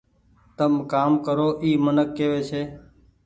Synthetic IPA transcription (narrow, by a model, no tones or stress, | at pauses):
t̪əmkaːmkəɾoːʔiːmənəkːeːʋeːt͡ʃʰeː